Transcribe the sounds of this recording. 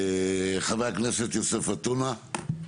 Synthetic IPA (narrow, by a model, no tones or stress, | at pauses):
χavajakneset̪josefat̪una